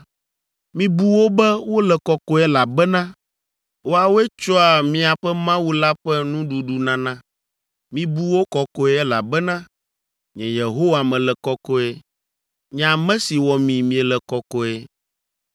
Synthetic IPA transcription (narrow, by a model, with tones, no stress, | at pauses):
mĩ˦bu˦wo˦bɛ˦wo˦lɛ˨kɔ˦kɔ˦ɛ˦la˨bɛ˦nã˦ | wo˦a˨wo˦ɛ˦t͡ʃɔ˦a˨mĩ˦a˨ɸɛ˦mã˦wu˦la˦ɸɛ˦nũ˦ɖu˨ɖu˨nã˦nã˦ | mĩ˦bu˦wo˦kɔ˦kɔ˦ɛ˦ɛ˦la̰˨bɛ˦nã˦ | ɲɛ̃˨je˨ɦo˦wa˨mɛ̃˨lɛ˨kɔ˦kɔ˦ɛ˦ | ɲɛ˨a˨mɛ̃˦si˨wɔ˨mĩ˨mĩ˦ɛ˨lɛ˨kɔ˦kɔ˦ɛ˦